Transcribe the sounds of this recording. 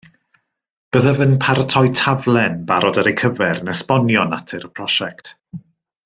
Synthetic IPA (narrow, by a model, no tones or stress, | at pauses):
b̥əðəvənpʰartʰɔjtʰavlˠɛnbaɾɔdəɾejkʰəvɛɾnəspɔnjɔnatʰɛɾəpʰr̥ɔʃɛkt